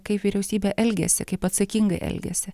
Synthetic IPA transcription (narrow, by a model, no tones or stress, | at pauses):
kɐɪpʋʲiːɾʲɛʊsʲiːbʲɛːʔɛlʲɡʲɛ̰sʲɪkɐɪpɐt̪sɐkʲiŋɡɐɪʔɛ̰lʲɡʲɛ̰sʲɪ